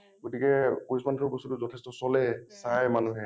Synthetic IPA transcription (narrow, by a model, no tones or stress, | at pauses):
ɡotikɛkoismantʰɹɔbɔsutuzɔtʰɛstɔsɔlɛsajmanuɦɛ